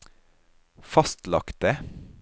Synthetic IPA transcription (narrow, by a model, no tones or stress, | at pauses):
fɑst̪lɑ̰kt̪ə